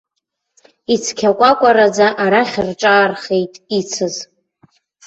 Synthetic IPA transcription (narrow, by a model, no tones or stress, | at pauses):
it͡sʰkʲʰakʷʼakʷʼaɾad͡zaʔaɾaχʲrʈ͡ʂʼaːrχe̞jtʼit͡sʰɨz